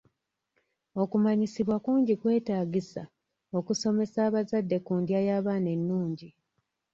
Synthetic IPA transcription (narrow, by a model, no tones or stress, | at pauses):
o̞kumaɲisiβwakuːɲɟikwe̞ːtaːɡisa̰ | o̞kuso̞me̞saːβazadːe̞kuːndjajaːβaːne̞nːuːɲɟi